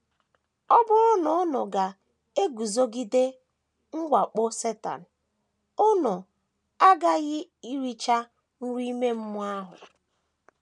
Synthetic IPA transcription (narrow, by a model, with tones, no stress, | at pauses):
ɔ˦bʊ˦ɾʊ˦nʊ˨ʊ˦nʊ˨ɡa˨ | e˦ɡu˨zo˦ɡi˦de˦ | ŋ̩˦ɡʷa˨k͡pʊ˦se˦ta̰˨n̩˨ | ʊ˦nʊ˨ | a˦ɡa˦ɣɪ˦i˦ɾi˦t͡ʃa˦ | n̩˦ɾi˦me˦m̩˦mʊ˦a˦ɦʊ̰˨